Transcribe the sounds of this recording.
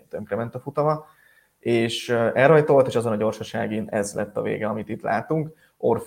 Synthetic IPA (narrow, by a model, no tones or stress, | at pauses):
t̪øŋkɾɛmɛnt̪ɒfut̪ɒmɒ | eːʃɛlrhɒjt̪o̞lt̪eːʃɒzo̞nɒɟo̞rʃɒʃa̰ːɡinɛzlɛt̪ːɒ̰vḛːɡɛɒmit̪it̪lʔa̰ːt̪uŋk | orf